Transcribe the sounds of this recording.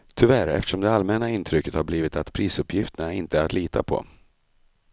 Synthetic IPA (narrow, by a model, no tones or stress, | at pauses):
t̪ʰʏvæɾɛ̰ft̪ə̥ʂɔmd̪ɛalmɛnaɪnt̪ʰɾʏkːət̪haɾbliːvɪt̪at̪pʰɾiːsɵpʰːjɪft̪əɳaɪnt̪əæɾat̪liːt̪ʰa̰pʰɔ̰